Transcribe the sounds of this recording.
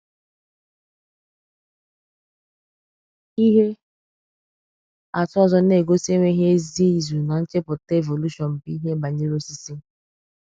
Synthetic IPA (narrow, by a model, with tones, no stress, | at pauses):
i˦ɦe˦ | a˨tʊ˦ɔ˦zɔ˦ne˨ɡo˦se˦ŋʷe˦ɦe˦zi˦˨zu˨na˨n̩˦t͡ʃe˦pʊ˨te˦˨vo˨lu˦ʃɔ˨nm̩˨pi˦ɦe˦ba˨ɲe˦ɾo˦si˦si˦